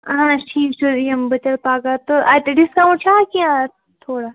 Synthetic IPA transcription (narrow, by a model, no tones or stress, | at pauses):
ɦãʈʰiːkt͡ʃʊɾiɐmbɐt͡ʃəɽpaːɡat̪oʔat̪eɖɪskaũt͡ʃʰaːkiã | t̪ʰoːɽa